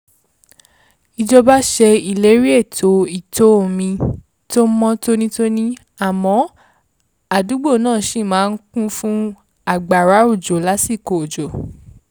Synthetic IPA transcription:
i˧d͡ʒɔ˧ba˦ʃɛ˧i˨le˨˦ɾi˦e˦˨tʰo˨˦i˨to˦o˨mĩ˧ | to˦mɔ̃˦to˦nĩ˦to˦nĩ˦ | a˦˨mɔ̃˨˦ | a˨du˨˦ɡ͡bo˦˨nãː˦˨˦ʃi˦˨mãː˨˦n̩˦kũ˦fũ˦ | a˨ɡ͡ba˨ɾa˨˦o˦˨d͡ʒo˨la˨˦si˦˨ko˨o˨d͡ʒo˨

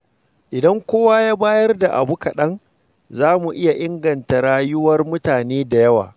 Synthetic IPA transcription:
ʔɪ˨dɐ˦ŋkʷoː˦waː˦jaː˦baː˦jɐ˦rda˨ʔa̰˨bu˦kɐ˨ɗɐ˦ŋ | zaː˦mu˨ʔɪ˦ja˨ʔɪ˦ŋɡɐ˨nta˨ɽaː˦jʊ˦wɐ˦rmʊ˦taː˨neː˦da˨jɐ˦wa̰ː˨

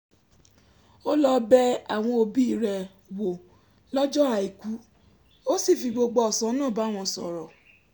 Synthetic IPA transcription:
o˦lɔ˧bɛ˦a˦˨w̃ɔ̃˧o˧bi˦i˧ɾɛ˨ | wo˨ | lɔ˦d͡ʒɔ˦a˨i˨ku˨˦ | o˦si˦˨fi˧ɡ͡bo˧ɡ͡bɔ˧ɔ˨sã˨˦nãː˦˨ba˨˦˨w̃ɔ̃˧˨sɔ̰˨ɾɔ˨

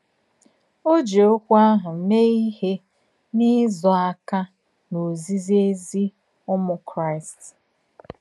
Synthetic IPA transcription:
o˦d͡ʒe˨o˦kʷa˦ɦʊ˨m̩˨˦me˦i˦he˦ | ni˦zɔ˨a˦ka˦ | no˨zi˦zi˦e˦zi˦ | ʊ˦mʊ˦kɾa˦ɪ˨st

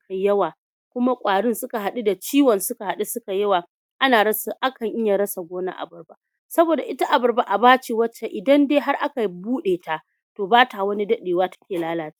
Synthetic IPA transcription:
ka˨jɐ˦waː˨ | kʷʊ˦ma˦kʷʼaː˨ɽɪ˦nsʊ˦ka˨ɦa˨ɗu˦da˨t͡ʃiː˦wɐ˨nsʊ˦ka˨ha˨ɗu˦sʊ˦ka˨jɐ˦waː˨ | ʔa˦naː˨ɾɐ˦sʔa˦kɐ˨ŋʔɪ˦ja˨ɾɐ˦sa˨ɡʷoː˦na̰˦ʔa̰˨bɐ˨rba˦ | sɐ˦boː˨da˨ʔɪ˦ta˦ʔa˨bɐ˨rba˦ʔa˨baː˦t͡ʃe˨wɐ˦t͡ʃːe˨ʔɪ˨dɐ˦ndeː˦ɦa˦rʔa˦ka˨buː˦ɗeː˨ta˦˨ | toː˨baː˦ta˨wɐ˦ni˦dɐ˦ɗeː˨waː˦tɐ̥˦kʲeː˨laː˦laː˦t͡ʃe̥˦

